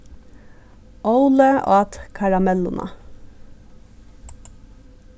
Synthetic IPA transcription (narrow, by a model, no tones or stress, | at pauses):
ʔoʊləʔɑ̰ːt̪kʰɑɹɑmɛlʊnʔɑ̰